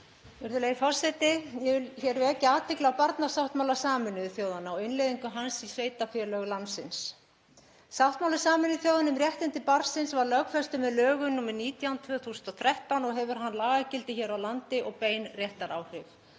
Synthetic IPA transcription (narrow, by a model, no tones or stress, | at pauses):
jɛɾðʏleːjifɔrsɛt̪ɪjɛvɪçɛɾvɪɛcːɪaːt̪ʰɪklɪawpaɾt̪nasawht̪mawlasaːmɪnʏðθjoːwðanaɔɪnlejðiŋkʏɦansisveːjt̪afɛlœɣlansɪns | sawht̪mawlasaːmɪnʏθjowðanʏmrɾjɛht̪ɪnt̪ɪpaɾsɪnsvaɾlœkfɛst̪ʏmɛðlœːɣʏnuːmɪɾniːt̪jawnt̪ʰvœːθuːsnt̪ɔθɾɛht̪awnɔɣɦɛvʏɾ̥ɦanlaːɣacɪlt̪ɪçɛɾawlant̪ɪʔɔɣpeːjnrjɛht̪aɾaːwrʏf